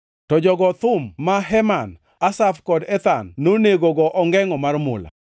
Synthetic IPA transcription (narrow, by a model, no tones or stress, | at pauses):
tɔd͡ʒɔɡɔt̪ʊmːaɦɛman | asafkɔdɛt̪anːoneɡoɡɔʔɔŋɡɛŋɔmarmʊ̰la̰